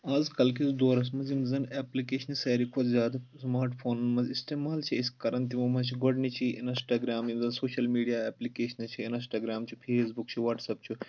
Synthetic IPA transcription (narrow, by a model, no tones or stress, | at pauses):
aːzkɐlkʰisd̪oːɾɐs̬mɐzimzɐnɛːplikeːʃɐnisɐːɾikʰozʲjaːd̪ɐsmaːɾʈpʰoːnɐnmɐzisʈ̪eːmaːlt͡ʃʰiiskɐɾɐnt̪̬imɐmɐt͡ʃʰiɡoɖnit͡ʃʰiinsʈaːɡɾaːmimzɐnsoːʃɐlmiːɖijaːeːplikeːʃɐnɐt͡ʃʰiinisʈaːɡɾaːmt͡ʃʰupʰeːsbukt͡ʃʰuʋaːʈsɐp̚t͡ʃʰu